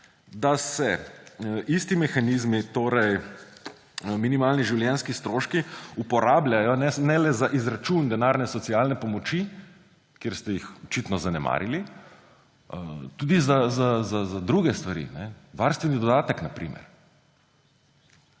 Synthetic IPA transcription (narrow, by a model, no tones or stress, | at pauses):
d̪asɛ | ist̪imɛxanizmit̪oːɾɛj | minimaːlniʒiwljɛnskist̪ɾoːʃkiupɔɾaːblʲjajɔnɛnɛlɛzaʔizɾat͡ʃund̪ɛnaːɾnɛsɔt̪siaːlnɛpɔmɔt͡ʃi | kjeːɾst̪ɛjixɔt͡ʃiːt̪nɔzanɛma̰ːɾili | t̪uːd̪izazazazad̪ɾuɡɛst̪ʋaɾḭnɛʋaɾst̪ʋɛnid̪ɔd̪aːt̪əknapɾḭːmɛ̰ɾ